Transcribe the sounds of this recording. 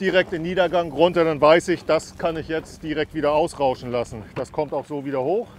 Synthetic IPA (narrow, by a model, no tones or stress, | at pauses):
d̥iʁɛk̚tɪmniːdɐɡaŋʁʊntɐɾanvaɪsɪçd̥askʰanɪçjɛt͡std̥iːʁɛk̚tv̥iːdɐaʊsʁaʊʃn̩lasn̩d̥askʰɔmtaʊxz̥oːviːdɐhoːx